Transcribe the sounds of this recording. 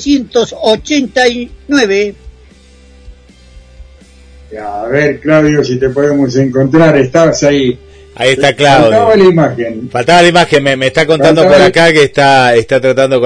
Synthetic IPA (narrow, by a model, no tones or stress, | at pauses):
sjent̪osot͡ʃent̪ajnweβe | aβeɾklawðjosit̪epoðemoseŋkont̪ɾaɾest̪aβasai | a̰iest̪aklawt̪aβalaimaxenfalt̪aβalaimaxenmemest̪akont̪and̪opoɾakakeːst̪aest̪at̪ɾat̪and̪ok